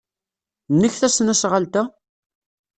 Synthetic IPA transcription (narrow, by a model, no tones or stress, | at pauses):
nːəçθæsnæsʁəlt̪æ